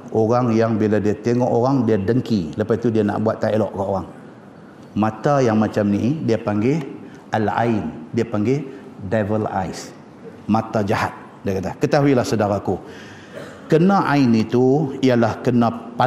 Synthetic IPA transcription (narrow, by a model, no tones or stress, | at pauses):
ʔoɾaŋjaŋbiladiat̪eŋɔʔoɾaŋdiadəŋkiləpait̪udiana̰ʔbuat̪ːaelɔʔkaʔoɣaŋ | mãt̪ajaŋmat͡ʃamnidiapaŋɡe | əla̰ɪndiapaŋɡedavəla̰js | mãt̪ad͡ʒahat̪̚ | diakat̪akət̪aɦuilahsədaɾaku | kənãʔainit̪uialahkənãpa